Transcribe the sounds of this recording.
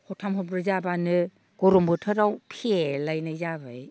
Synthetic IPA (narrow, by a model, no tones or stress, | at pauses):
hɔtʰamɦɔpɾɯzabanɯ | ɡ̥ɔɾɔmbɯtʰɯɾawpʰielajnajzabɯj